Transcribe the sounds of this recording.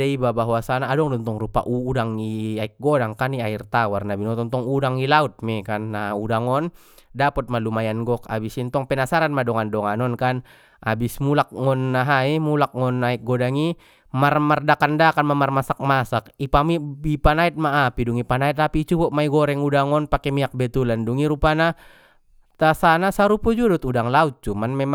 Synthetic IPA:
ɛibabaɦwasanaːdɔŋdɔnt̪ɔŋrupa̰ʔudaŋiaik̚ɡɔdaŋkaniairt̪awarnabinɔt̪ɔnt̪ɔŋudaŋilaut̪̚mɛkanːaaudaŋɔn | dapɔt̪̚malumajanɡɔka̰bisint̪ɔŋpɛnasaɾanmadɔŋandɔŋanɔnkan | ʔabismulak̚ŋɔnːaɦaimulak̚ŋɔnːaik̚ɡɔdaŋi | marmardakandakanmamarmasak̚masakipamibipanait̪̚maːpiduŋipanait̪apit͡ʃubɔʔmaiɡɔɾɛŋudaŋɔnpakɛmiak̚bɛt̪ulanduŋiɾupana | t̪asanasaɾupud͡ʒudɔt̪udaŋlaut̪̚t͡ʃumanmɛma

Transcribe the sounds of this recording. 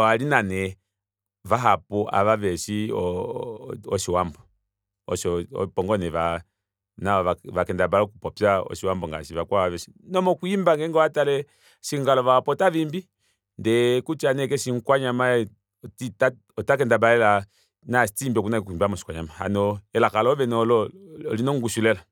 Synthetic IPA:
walinanɛ | vaɦapɔʔa̰βaβɛʃiɔ | ɔʃiwambɔ | ɔ̰ʃɔɔ̰pɔŋɡɔnɛʋa | naaʋakɛndabalɔkupɔpjaɔ̰ʃiwambɔŋɡa̰ʃiβakwaaβɛʃinɔmɔkuimbaŋɡɛŋɡɔwatalɛ | ʃiŋɡalɔvapɔtavimbi | ndɛkut͡ʃanɛkɛʃiŋkwaɲama | tita | ɔtakɛndabaɛla | nastimbiɔk̬unakuimbiamɔʃi̥kwaɲamaha̰nɔɛlakalɔvɛnɔlɔɔlinɔŋɡuʃulɛla

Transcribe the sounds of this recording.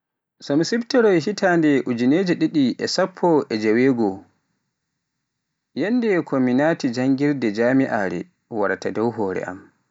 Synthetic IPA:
sɔmsibtɛɾɔjɦitaːndɛʔud͡ʒineːd͡ʒɛɗiɗiʔɛsapʰːɔʔɛd͡ʒawɛːɡɔ | jɛnːdɛkʰɔminaːtid͡ʒaŋɡiɾdɛd͡ʒaːmiʔa̰ɾɛ̰ | waɾatadɔwɦɔːɾɛ̰ʔa̰m

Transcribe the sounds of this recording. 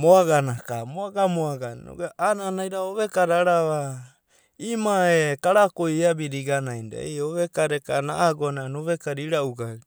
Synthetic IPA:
moaɡanakamoaɡamoaɡanno̰ɡeʔananaiɾaoβekaɾaɾaβa | imaekaɾakojabiɾiɡanajnda̰eoβekaɾekanaʔaɡoananoβekaɾiɾauɡa

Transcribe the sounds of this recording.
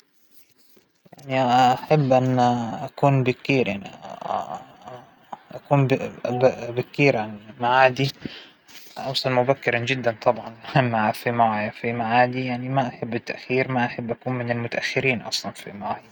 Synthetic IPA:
jjaʕniʔaħabːʔanːʔakuːnbɪk̚kiːɾʔaʕn | ʔakuːn | bɪk̚kiːɾʕanmaʕaːd̪i | ʔɑwsˤɑnmʊbakːɪɾɑnd͡ʒɪd̪ːant̪ˤɑbʕɑnħamːaʕafimaʕjafimaʕaːd̪ijaʕnimaʔaħabːɪt̪ːaʔxiːɾmaʔaħabːʔakuːnmɪnalmʊt̪aʔaxːɪɾiːnʔɑ̰sˤlɑnfḭmaʕja

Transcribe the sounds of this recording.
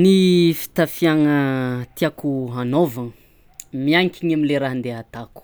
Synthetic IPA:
nifi̥t̪afijaŋət̪iakuɦanovaŋ | miaŋkʲiɲamileɾaɦnd̪eat̪aku̥

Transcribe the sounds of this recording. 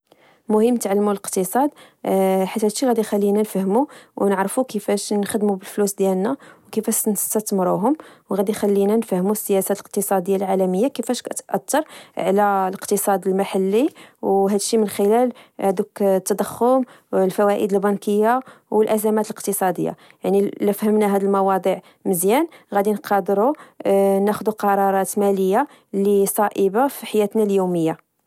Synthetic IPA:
mʊhəmːt̪ʕalːmuləqt̪əsˤɑd̪ | ħat̪ːhæd̪ʃiɣæd̪ixælːinænfəhmuwnəʕɾfukəfæʃnxəd̪mubəlflusd̪jælnæwkəfæʃnst̪æt̪mɾuɦʊmwɣæd̪ixælːinænfæhmusːəjæsæləq̚t̪əsˤɑd̪əjːalʕalæməjːakəfæʃkt̪ʔɑt̪ːɑɾˤʕlæləqt̪əsˤɑd̪əlmaħalːiwɦæd̪əʃːimənxəlælhæd̪ukt̪ːɑd̪ˤəxːʊm | lfæwæʔəd̪əlbɑnkəjːawəlʔæzæmæt̪ələqt̪əsˤɑd̪əjːa̰ | jaʕniləfhəmnæɦæd̪əlmɑwɑd̪ˤiʕ | məzjænɣæd̪inqɑd̪ɾu | næxd̪uqɑɾˤɑɾˤɑt̪mæləjːa | lisˤɑʔəbafiħajæt̪næljuməjːa

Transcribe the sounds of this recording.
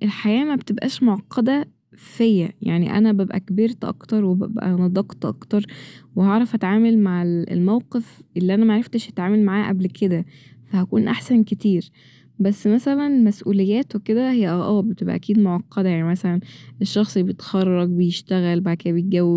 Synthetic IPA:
ʔelħajæːmæbt̪ebʔæ̰ːʃmoʕɑqːɑd̪æ | fejːæja̰ʕnḭʔæ̰næbæbʔæ̰kbeɾt̪ʔɑ̰kt̪ɑɾˤwebæ̰bʔæ̰nɑd̪ˤɑqt̪ʔɑ̰kt̪ɑɾˤwehɑʕɾˤɑfʔæt̪ʕaːmælmaʕelḛlmæwqefʔelːiʔænæmæʕaɾˤeft̪eʃʔæt̪ʕaːmælmaʕaːʔæblked̪æfæhækuːnʔaħsænket̪iːɾ | bæsːmæsælænmæsʔuːlejːæːt̪weked̪æhejːæʔʔæːbet̪ebʔæ̰ʔæ̰kiːd̪moʕɑqːɑd̪ˤæjaʕnimæsælæneʃːɑxsˤibejet̪xɑrˤːɑɡbejeʃt̪æɣælbaʕd̪æked̪æbejet̪̚ɡæwːeb

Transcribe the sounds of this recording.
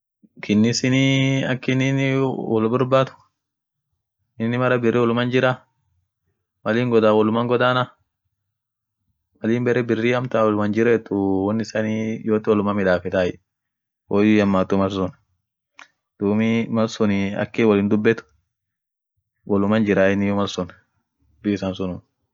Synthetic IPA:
kʰɪnːɪsɪniɐkːɪnɪnwɔlbʊɾbaːt̪ʊ̥ | ɪnːɪmɐɾɐbɪrːiːwɔlʊmɐnd͡ʒɪɾa | mɐliːŋɡɔd̪aːwɔlʊmɐŋɡɔd̪aːna | mɐliːmbɛɾɛbɪrːiːɐmt̪awɔlʊmɐnd͡ʒɪɾɛːt̪ːʊwɔnːɪsaːniːjoːt̪ɪwɔlʊmamɪᶑaːfɛt̪aːɛ̰ | woːjjɐmːaːt̪ːʊmɐlsʊn | d̪̥uːmimɐlsʊnɪɐ̰kːiːwɔlɪːnd̪ʊbːɛt̪ʊ̥ | wɔlʊmɐnd͡ʒɪɾaːɪnːɪjɔmɐlsʊn | d̪ʊɪsaːnsʊnʊːn

